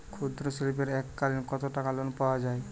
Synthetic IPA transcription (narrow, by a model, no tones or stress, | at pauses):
kʰud̪ɾɔsilipeɾɛkːalinkɔt̪ɔʈakalonpawad͡ʒaj